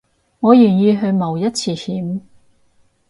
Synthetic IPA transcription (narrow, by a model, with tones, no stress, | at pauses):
ŋɔː˨˧jyː˨˩njiː˨˧ɦɵ˧ɥmɐ˨˩wjɐ˥t̚t͡sʰiː˧hiː˨˥m